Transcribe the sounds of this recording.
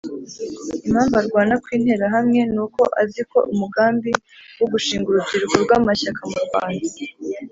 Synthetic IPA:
im̥haːmvaɾɡwaːnakwiːn̥he̞ːɾaɦamŋe̞nuːko̞ʔaziko̞̰umuɡaːmbiwoɡuʃiːŋɡuɾuziɾɡoɾɡwaːmaçakʰamuɾɡwa̰ːnda

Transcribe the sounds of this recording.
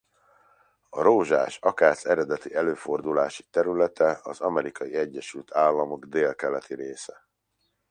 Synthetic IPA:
ɒɾoːʒa̰ːʃɒkaːsɛɾɛd̪ɛt̪iɛløːfo̞rd̪ulaːʃi̥t̪ɛɾylɛt̪ɛɒzɒmɛɾikɒjiɛɟːɛʃylt̪ʰaːlːɒmo̞ɡd̪eːlkɛlɛt̪iɾeːsɛ

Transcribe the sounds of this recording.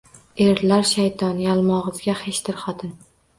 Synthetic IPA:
e̞ɾlaɾʃajt̪ʰɒnjalˠmɒʁɨzɡʲaheʃd̪ɪɾχɒt̪ʰɪn

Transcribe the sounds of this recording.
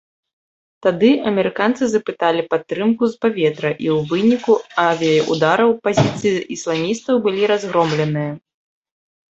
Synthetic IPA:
t̪ad̪ɨɐmʲɛɾɨkant̪sɨzɐpɨt̪alʲipat̪ːɾɨmkuzpavʲɛt̪ɾɐʔiwvɨnʲikuavʲijɐjʔud̪aɾɐwpazʲit̪sɨjiʔislˠamʲist̪ɐwbɨlʲiɾazɣɾɔmlʲɛnɨjɐ

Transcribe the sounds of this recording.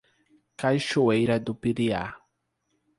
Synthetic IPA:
kajʃoejɾɐd̪ʊpiɾia̰

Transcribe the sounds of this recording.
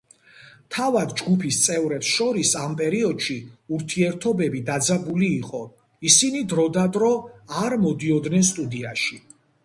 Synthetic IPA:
t̪ʰavad̪d͡ʒɡupʰist̪sʼɛvɾɛpsʃɔɾisampʼɛɾiɔd̪̥ʃiuɾt̪ʰiɛɾt̪ʰɔbɛbid̪ad̪zabuliːqʼɔ | isinid̪ɾɔd̪ad̪ɾɔaɾmɔd̪iɔd̪nɛnst̪ʼud̪iaʃi

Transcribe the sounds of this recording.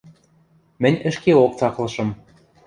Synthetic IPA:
mɘ̆nʲə̆ʃkeok̚t͡sɑklɤ̆ʃɤ̆m

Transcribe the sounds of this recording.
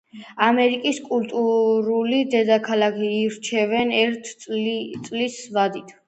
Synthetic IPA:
amɛɾikʼiskʼult̪ʼuɾulid̪ɛd̪akʰalakʰiːɾt͡ʃʰɛvɛnɛɾt̪ʰt̪sʼlisvad̪it̪ʰ

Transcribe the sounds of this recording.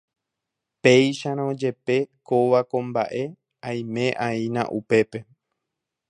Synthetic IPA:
pe̞jʃaɾ̃õd͡ʒe̞pe̞koʋakõ̞mbaʔe̞ | ãj̃mẽ̞ʔainã̰ʔupe̞pe̞

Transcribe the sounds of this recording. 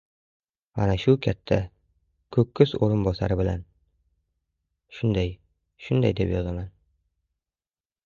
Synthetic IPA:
a̰naʃʊkʲʰat̪ʰːa | kʰɵkʲːɪzoɾɪnbɒsa̰ɾɪbɪla̰n | ʃʊnd̪aj | ʃʊnd̪a̰jd̪epjɒzaman

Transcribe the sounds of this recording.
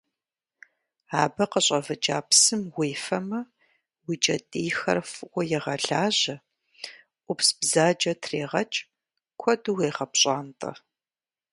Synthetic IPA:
aːbɐqəɕʼɐvɐd͡ʒaːpsɨmwiːfɐmɐ | wit͡ʃʼɐtʼiːxɐ̰rfɨʔʷʼɔjɛʁɐɮaːʑɐ | ʔʷʊpsbzaːd͡ʒɐtʰreːʁɐt͡ʃʼ | kʷʰɔduʁeːʁɐpɕʼaːntʼɐ̰

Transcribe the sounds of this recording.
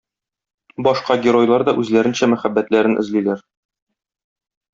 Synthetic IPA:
bɒʃqɑɡʲeɾo̞jlˠɑɾd̪ɒʔʉzlæɾɘ̆nɕæmæχæbːæt̪læɾɘnʔɘ̰̆zlilæɾ

